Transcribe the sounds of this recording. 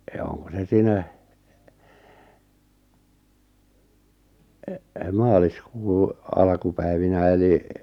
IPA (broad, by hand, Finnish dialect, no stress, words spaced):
jɑ oŋko se siːnæ mɑːliskuː ɑlkupæiʋinæ eli